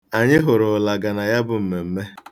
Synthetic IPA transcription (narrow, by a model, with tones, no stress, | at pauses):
a˨ɲɪ˦ɦʊ˨ɾʊ˨la˨ɡa˨na˨ja˦bʊ˨m̩˨me˨m̩˦me˦